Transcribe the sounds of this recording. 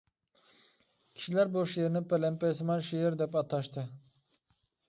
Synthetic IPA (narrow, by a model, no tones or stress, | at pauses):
kʲʰi̥ʃilæɾboʃjeɾinipelɛmpesmɑnʃijiɾd̪ɛpɑt̪ʰɑʃt̪ʰɯ